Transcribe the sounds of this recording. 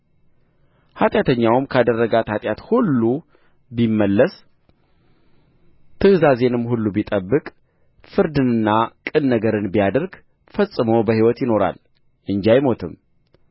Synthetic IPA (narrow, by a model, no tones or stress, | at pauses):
hat̪ʼjat̪ʰəɲːawmkʰad̪ərːəɡat̪hat̪ʼjat̪hulːu | bimːəlːəs | t̪ʰɨhzaze̞nɨmːhulːubit̪ʼəbːɨkʼ | fɨɾd̪ɨnɨnːakʼɨnːəɡəɾɨnbijad̪əɾɡ | fəsʼːɨməwbəhiwɔt̪jɪno̞ɾa̰l | ʔɨɲd͡ʒajmo̞t̪ʰɨm